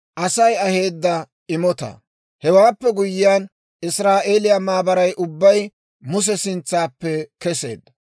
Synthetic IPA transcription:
ʔɐsɐjɐhe̞ːd̪ːɐ | ɪmɔt̪ɐ̰ | hɛwaːpːɛɡʊjɪjaːn | ɪsɾaːʔeːlɪjamaːbɐɾɐjʔʊbːɐj | mʊs̬ɛsɪnt͡sːaːpːɛkɛse̞̰ːd̪ːɐ

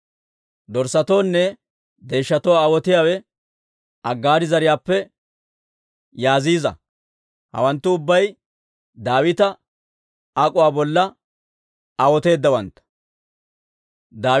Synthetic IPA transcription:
d̪ɔɾsɐt̪oːnːɛ | d̪e̞ːʃːɐt̪ɔwaːwɔt̪ɪjaːwɛ | ʔɐɡːaːd̪ɪzɐɾɪjaːpːɛ | jaːziːzɐ̰ | hɐ̰wɐnt̪ːʊʊbːɐj | d̪aːwɪt̪ɐ | akʼʊwaːbɔlːɐ | ɐwɔt̪e̞ːd̪ːɐwɐnt̪ːɐ̥ | d̪aː

